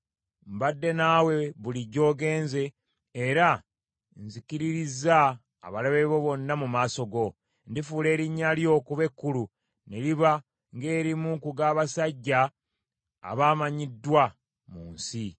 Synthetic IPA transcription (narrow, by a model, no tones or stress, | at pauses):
mbadːe̞naːwe̞βuliɟo̞ːɡe̞ːnze̞ː | ɾa | nzikiɾiɾiza̰ː | βalaβe̞βo̞βo̞nːamumaːso̞ɡo̞ | ndifuːle̞ːɾiɲːaljo̞kuβe̞kːulu | ne̞liβa | ŋɡe̞ːɾimukuɡaːβasaɟːa̰ː | βaːmaɲidːwa | muːnsi